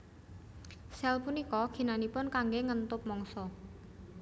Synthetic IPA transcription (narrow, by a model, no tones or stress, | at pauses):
sɛlpunikɔɡ̥i̤nanipʊnkaŋɡeŋənt̪ʊp̚mɔŋsɔ